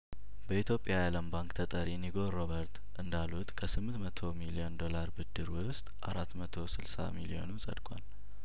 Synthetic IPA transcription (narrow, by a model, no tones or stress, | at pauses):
bəit̪jopʼːjajaləmbaŋkt̪ʰət̪ʼəɾjɛnːiɡo̞ɾobəɾt̪ | ʔɨnd̪alut̪kʰəsɨmːɨnt̪mət̪ʰo̞milio̞nd̪o̞laɾbɨd̪ːɨɾwʊst̪ʼʔa̰ɾat̪ːmət̪ʰo̞sɨlsa̰milio̞̰nunsʼə̰d̪kʼa̰l